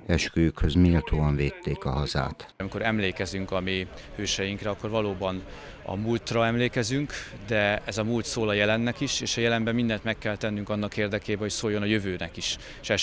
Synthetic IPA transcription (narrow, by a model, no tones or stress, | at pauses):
ɛʃkøːjykhøzmilt̪ʰoːɒɱveːt̪ːeːkɒɦɒza̰ːt̪ɒmiko̞ɾɛmleːkɛzyŋkɒmeː | høːʃɛjiŋkrɛɒkːo̞rvɒloːbɒn | ɒ̰mult̪rɒɛmleːkɛzyŋkd̪ɛɛzɒmult̪soːlɒjɛlɛnːɛkiʃeːʃɒjɛlɛnbɛmːind̪ɛnt̪mɛkːɛlt̪ɛnːyŋkɒnːɒkeːrd̪ɛkeːbɛɦo̞csoːjonɒjøvøːnɛkiʃ | ʃɛ